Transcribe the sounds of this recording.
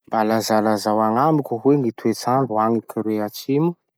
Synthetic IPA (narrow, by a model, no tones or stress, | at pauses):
balazalazawaŋamikʲuɦweŋit̪uet͡saɳɖ͡ʐuaŋikiɾeat͡ʃimu̥